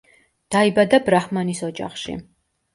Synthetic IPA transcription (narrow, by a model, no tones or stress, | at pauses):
d̪̥aibad̪abɾaχmanisɔd͡ʒa̰χʃḭ